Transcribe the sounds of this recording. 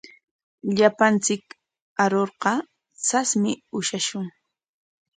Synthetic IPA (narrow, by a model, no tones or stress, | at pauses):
ʎapant͡sɪk | aɾoɾqɑ | t͡sasmɪʊʃaʃʊŋ